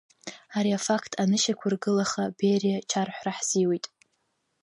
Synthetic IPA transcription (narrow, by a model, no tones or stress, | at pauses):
aɾiafakʰtʰʼanɨʃakʷʰarɡɨlaχaberiat͡ʃʰarħʷraħz̥iwejtʼ